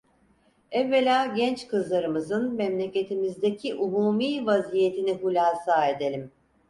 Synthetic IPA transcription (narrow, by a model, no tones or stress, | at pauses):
ɛvːe̞lʲaːɟɛnt͡ʃkɯzlˠaɾɯmɯzɯnmɛmlʲe̞ce̞t̪ʰimizd̪ecʰiʔumuːmiːvazije̞t̪ʰinihulʲaːsaːe̞d̪e̞lʲim